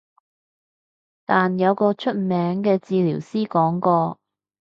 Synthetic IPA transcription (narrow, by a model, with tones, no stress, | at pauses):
t̪aː˨njɐ˨˧wkɔː˧t͡ʃʰɵ˥t̚mɛː˨˥ŋkɛː˧t͡siː˧liː˨˩wsiː˥kɔː˨˥ŋkɔː˧